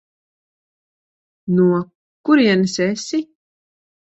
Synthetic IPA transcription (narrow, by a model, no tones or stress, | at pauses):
nuɔ | kuɾiɛnsɛsi